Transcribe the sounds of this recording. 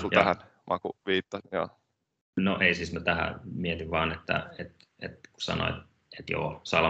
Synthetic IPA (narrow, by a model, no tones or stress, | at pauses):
sulæhæn | mʔɑ̰kṵʋiːt̪ːɑsinjɑ̰ | noʔeisismæt̪æhæ̰miet̪iʋʋɑːnet̪ːæ̰et̪ | et̪ku̥sɑ̰no̰ḛt̪ | et̪jo̰ːsɑlɑ